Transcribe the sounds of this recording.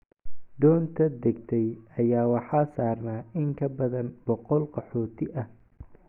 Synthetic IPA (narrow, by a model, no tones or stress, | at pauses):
d̪ɔːnt̪ʰɐd̪ɛɡ̚t̪ʰɛjɐjaːwɑħɑːsaːrnaːɪŋkʰɐbɐðɐnbɔqɔlqɑħɔːt̪ʰɪʔɐh